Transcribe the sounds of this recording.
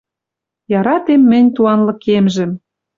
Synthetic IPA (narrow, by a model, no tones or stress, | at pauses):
jɑɾɑt̪emːɘ̆nʲt̪uɑnlɤ̆kemʒə̆m